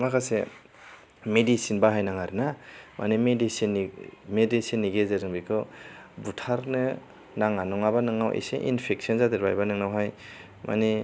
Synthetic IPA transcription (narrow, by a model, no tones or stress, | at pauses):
makʰase | medisinbaɦajnaŋaɾɯnamʔa̰nimedisinmedisinːiɡezɯɾɯŋbikʰɯbutʰaɾnɯ | naŋanɔŋaβanɯŋawʔḭsḛʔḭnpʰek̚sɔnzadɯɾbajbanɯŋnawɦaj | ma̰ni